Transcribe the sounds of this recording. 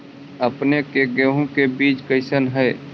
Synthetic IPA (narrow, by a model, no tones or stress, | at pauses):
əpnekeɡeːɦõkebiːt͡ʃkəɪsənɦɛː